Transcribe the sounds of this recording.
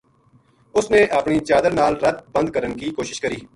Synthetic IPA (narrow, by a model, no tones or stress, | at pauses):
ʊsneːʔəpɳiːt͡ʃaːd̪əɾnaːlɾət̪̚bə̃nd̪̚kəɾənkiːkoːʃɪʃkəɾiː